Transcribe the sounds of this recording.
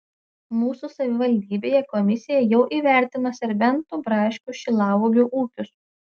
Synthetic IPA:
muːsuːsɐʋʲɪʋɐlʲd̪ʲiːbʲeːjɛkɔmʲɪsʲɪjɛjɛʊʔiːʋʲæˑɾʲt̪ʲɪnosʲɛɾʲbʲɛnt̪uːbɾɑːʃʲkʲuʃʲɪlˠɑːʋoɡʲuːʔuːkʲʊs

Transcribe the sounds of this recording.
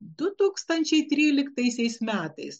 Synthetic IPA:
d̪ʊt̪uːkst̪ɐnʲt͡ʃʲɛɪt̪ʲɾʲiːlʲɪkt̪ɐɪsʲɛɪsmʲæːt̪ɐɪs

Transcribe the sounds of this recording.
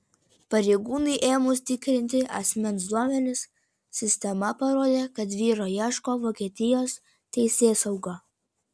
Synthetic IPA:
pɐɾʲɛɪɡuːnɐɪʔeːmʊst̪ʲɪkɾʲɪnʲt̪ʲɪʔɐ̰sʲmʲɛnsd̪uɔmʲɛnʲɪs | sʲɪsʲt̪ʲɛmɐpɐɾoːd̪ʲeːkɐt̪̬ʋʲiːɾoːjɛːʃkoːʋoːkʲiɛt̪ʲɪjoːs | t̪ʲɛɪsʲeːsɐʊɡɐ

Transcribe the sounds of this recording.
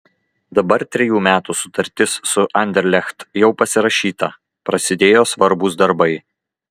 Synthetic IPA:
d̪ɐbɐɾt̪ʲɾʲɛjuːmʲæːt̪uːsʊ̥t̪ɐɾʲt̪ʲɪsːʊʔɐnʲd̪ʲɛɾʲlʲɛxt̪jɛʊpɐsʲɪɾɐʃʲiːt̪ɐ | pɾɐsʲɪd̪ʲeːjoːsʋɐɾbʊsd̪ɐɾbɐɪ

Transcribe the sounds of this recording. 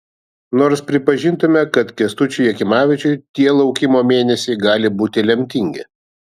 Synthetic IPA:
noːɾspʲɾʲɪpɐʒʲɪnt̪ʊmʲɛkɐt̪kʲɛst̪ʊt͡ʃʲʊjɛkʲɪmɑːʋʲɪt͡ʃʲʊɪt̪ʲiɛlˠɒʊkʲɪmoːmʲeːnʲɛsʲɛɪɡɑːlʲɪbuːt̪ʲɪlʲɛmʲt̪ʲɪŋʲɡʲɪ̰

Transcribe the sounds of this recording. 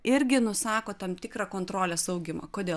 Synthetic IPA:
ɪɾʲɡʲɪnʊsɑːkoːt̪ɐmt̪ʲɪkɾɑkoːnt̪ɾoːlʲeːsɐʊɡʲɪmɐ̰koːd̪ʲeː

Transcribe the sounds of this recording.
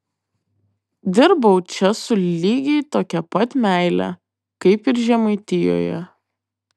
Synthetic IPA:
d̪ʲɪɾbɐʊt͡ʃʲɛsʊlʲiːɡʲɛɪt̪oːkʲɛpɐt̪ʲmʲæˑɪlʲɛ̰ | kɐɪpɪɾʒʲɛmɐɪt̪ʲɪjo̰ːjɛ̰

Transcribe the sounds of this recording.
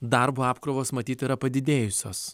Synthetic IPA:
d̪ɐɾbuːɑːpkɾoːʋoːsmɐt̪ʲiːt̪iːɾɐpɐd̪ʲɪd̪ʲeːjʊsʲo̰ːs

